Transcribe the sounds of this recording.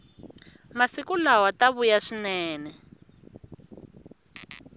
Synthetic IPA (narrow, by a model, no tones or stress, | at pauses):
masikulawataβujaʂinɛːnɛ